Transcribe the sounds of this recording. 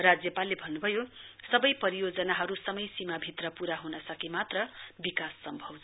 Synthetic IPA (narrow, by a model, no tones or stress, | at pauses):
rad͡zjʌpalːebʱʌnːubʱʌjosʌbʌjpʌɾijod͡zʌnaɦʌɾusʌmʌjsimabʱit̪rʌpuɾaɦunʌsʌkimat̪rʌbikasːʌmbʱʌwd͡z